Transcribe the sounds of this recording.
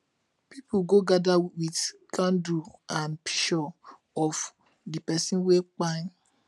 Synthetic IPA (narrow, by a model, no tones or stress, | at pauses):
pipuɡoɡadawitkʰãnduãnpʰi̥ʃɔ | ɔf | dipɛsĩwek͡pã